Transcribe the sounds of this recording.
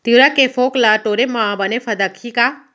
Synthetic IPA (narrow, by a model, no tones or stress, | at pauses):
t̪iɾakːefoklaʈoːɾemãbɐnefʰɐd̪ɐkʰːika